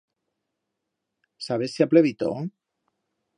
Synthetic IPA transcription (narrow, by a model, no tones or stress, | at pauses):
saβesiapleβit̪o̰